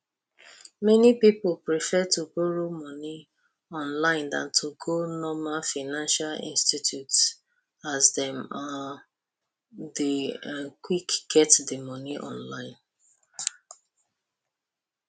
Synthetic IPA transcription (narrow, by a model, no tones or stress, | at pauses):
mɛnipipolpɹifɛtuboɹomɔni | ɔ̃nlãɪ̃ndã̰ntʰuɡonɔmafaɪnãnʃalḭ̃nstitjuts | azdɛ̃ma | dekwikɡ̥ɛtdemɔniʔɔ̰̃nlãɪ̃n